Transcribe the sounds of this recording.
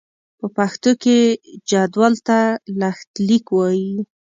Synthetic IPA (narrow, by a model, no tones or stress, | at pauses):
pəpaxt̪oked͡ʒad̪wɑlt̪alaxt̪likwɑji